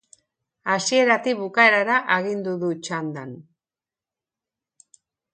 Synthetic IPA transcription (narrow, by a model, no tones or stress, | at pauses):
asie̞ɾat̪ikβukaeɾaɾaʔeɣind̪uðut͡ʃand̪an